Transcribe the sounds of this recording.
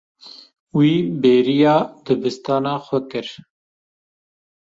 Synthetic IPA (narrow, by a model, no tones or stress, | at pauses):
wiːbeːɾijɑːd̪ɨbɨst̪ɑːnɑːxʷɛkɨɾ